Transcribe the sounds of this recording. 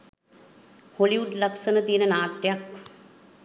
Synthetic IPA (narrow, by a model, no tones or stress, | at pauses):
hoːliʋuɖlɐksənət̪inənaːʈjɐk